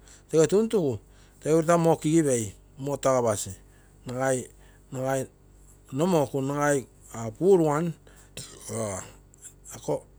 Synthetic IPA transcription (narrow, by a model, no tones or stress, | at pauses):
teɡetuntuku | teɡuɾtamo̞kiɡiβej | motaɡaβasi | naɡaj | naɡaj | no̞mo̞kunaɡaj | apuɾuan | a | ako